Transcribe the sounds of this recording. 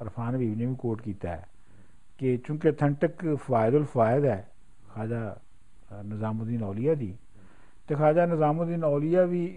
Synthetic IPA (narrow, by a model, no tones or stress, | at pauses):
əɾpʰaːnʋiːʋneːʋĩːkoːʈkiːt̪a̰ːɛ̰ː | ket͡ʃõːket̪ʰəɳʈəkpʋaːɪd̪əlpʰaːɪd̪ɛː | kʰaːd͡ʒaː | nəzaːmõd̪iːnɔːlijaːd̪iː | t̪eːkʰaːd͡ʒaːnəzaːmõd̪iːnɔːlijaːʋiː